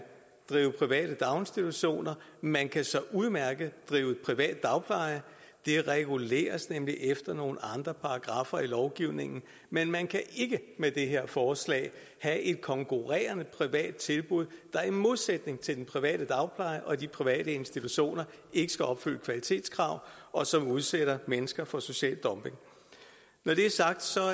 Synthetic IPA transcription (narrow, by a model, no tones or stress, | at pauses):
d̥ʁiːʊəpʰʁiʋɛ̰ːɾ̥əd̥ɑ̈ʊnsd̥it͡sʰuɕo̝̰ːnɐmænkʰæsɒ̽ʔuð̞ˠmæɐɡ̥əd̥ʁiːʊe̝d̥̚pʰʁiʋɛ̰ːd̥̚ːɑ̈ʊpʰlɑ̈ɪɐ | d̥e̝ʁɛɡ̥ule̝̰ːɐsnemliʔefd̥ɐno̝ːn̩ɑ̈nd̥ʁɐpʰɑ̈ɑ̈ɡ̥ʁɑ̈fɐilɒʊɡ̥iʊne̝ŋn̩ | menmænkʰæʔe̝ɡ̥əmed̥e̝ɦe̝ɐ̰fɒːslɛ̰ːɪ | hæʔe̝d̥̚kʰɒ̽ŋkʰuʁɛ̰ːɐnəpʰʁiʋɛ̰ːd̥̚t͡sʰe̝lb̥uð̞̰ˠd̥ɑ̈æɐnmo̝ð̞ˠsed̥ne̝ŋt͡sʰe̝ld̥enpʰʁiʋɛ̰ːɾ̥əd̥ɑ̈ʊpʰlɑ̈ɪɐʔɒ̽dipʰʁiʋɛ̰ːdəe̝nsd̥it͡sʰuɕo̝̰ːnɐʔe̝ɡ̥əsɡ̥æɒ̽b̥fy̰ləkʰʋælit͡sʰe̝̰ːd̥skʰʁɑ̈ʊ̰ɒ̽sɒ̽muð̞ˠseɾ̥ɐmenəsɡ̥ɐfɒ̽so̝ɕɛ̰ːld̥ɒ̽mpe̝ŋ | nɒɾe̝æɐsɑ̈ɡ̥̚d̥sɒ̽